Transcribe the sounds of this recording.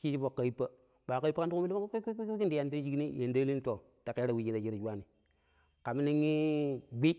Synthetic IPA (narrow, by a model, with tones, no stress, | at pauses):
ki˦t͡ʃi˦po˨kːa˨i˦pːa˦ | ɓa˨ka˦i˦pa˦a˦n˦u˦u˦mi˦i˦ndja˨n˦ti˦d͡ʒi˦kni˦˨e˨nda˦li˦n˦to˨ | ta˨ke˦ɾa˨wi˨˦d͡ʒi˦na˨d͡ʒi˦ɾa˨d͡ʒu˦wa˦ni˨ | ka˨mi˦ni˦ŋi˦ɡ͡bi˦